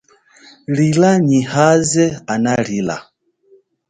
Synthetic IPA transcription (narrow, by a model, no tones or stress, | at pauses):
ɺilaɲihazɛanaɺila̰